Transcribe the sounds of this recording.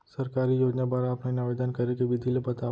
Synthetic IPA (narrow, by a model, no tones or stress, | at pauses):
sɐɾkaːɾijoːd͡ʒnabaɾaːpnainaʋeːd̪ənkɐɾekeʋɪd̪ʱilebɐt̪a